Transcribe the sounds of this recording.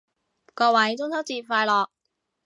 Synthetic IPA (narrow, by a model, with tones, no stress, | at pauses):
kɔː˧wɐ˨˥jt͡sʊ˥ŋt̪ʰɐ˥k̚t͡siː˧p̚faː˧jlɔː˨˩k̚